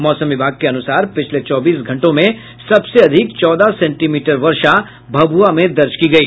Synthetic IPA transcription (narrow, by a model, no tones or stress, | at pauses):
mɔːsə̃mʋɪbʱaːɡ̚keɐnʊsaːɾpɪt͡ʃʰlet͡ʃɔːbiːsɡʱɐ̃ɳʈõmẽ | sɐbseɐd̪ʱɪkt͡ʃɔːd̪asɛ̃ɳʈimiːʈəɾʋɐɾʃa | bʱɐbʱuamẽd̪ɐɾt͡ʃkiɡɐiː